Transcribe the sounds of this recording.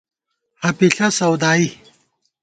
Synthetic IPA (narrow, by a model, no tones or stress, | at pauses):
hɐpiɬɐsɐwd̪aːi